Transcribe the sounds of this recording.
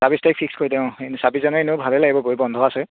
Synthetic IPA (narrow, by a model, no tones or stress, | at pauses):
sabistajk̚pʰikskoɹitɛʊ̃sabizanɔenɛʊbʱalɛlaɡibɔɡoɹibɔndʱɔasɛ